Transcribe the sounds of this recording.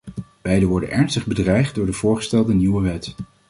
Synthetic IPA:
b̥ɛjdəʋɔɹdə̰nʔɛɹnstəχbədrɛjχd̚dʊːɹdəvʊːɹχə̥stɛlˠdəniwəʋɛt

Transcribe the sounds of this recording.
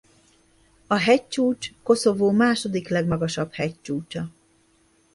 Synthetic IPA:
ɒɦɛc̚t͡ʃuːt͡ʃko̞so̞voːmaːʃo̞d̪iklɛɡmɒɡɒʃɒb̥hɛct͡ʃuːt͡ʃɒ

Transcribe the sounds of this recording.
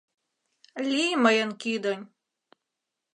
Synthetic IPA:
lʲiməjənkid̪onʲ

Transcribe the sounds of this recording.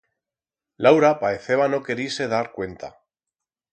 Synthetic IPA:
lawɾapaeθe̞β̞ano̞ke̞ɾise̞ð̞aɾkwe̞nt̪a̰

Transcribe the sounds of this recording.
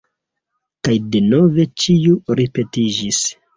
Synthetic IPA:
kajde̞no̞ve̞t͡ʃiuɾipe̞tid͡ʒis

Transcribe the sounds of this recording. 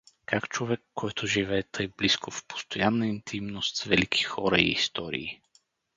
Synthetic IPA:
kakt͡ʃovɛkːɔjt̪ʰʊʒivɛːt̪ʰəjbliskofpo̥st̪ojanːəint̪ʰimnost̪svɛlikʰi̥xɔɾəḭːst̪ɔɾḭː

